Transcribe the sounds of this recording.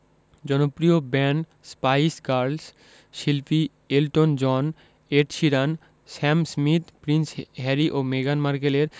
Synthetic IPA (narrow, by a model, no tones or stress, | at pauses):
d͡ʑɔnopɾiobɛɳ | spajskaɾls | ʃilpi | elʈond͡ʑɔn | eʈʃiɾan | sɛmsmit̪pɾinsɦɛɾiʔomeɡanmaɾkeleɾ